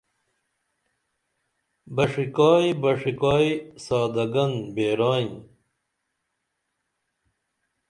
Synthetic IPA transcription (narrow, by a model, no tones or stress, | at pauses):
bɐʂikaːjibɐʂikaːisaːd̪ɐɡɐnbeːɾaːĩ